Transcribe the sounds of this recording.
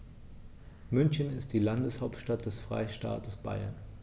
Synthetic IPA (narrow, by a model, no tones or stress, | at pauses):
mʏnçənɪstd̥iːlandəshaʊptʃtat̚d̥ɛsfʁ̥a̰ɪʃta̰ːtəsb̥a̰ɪɐ̰n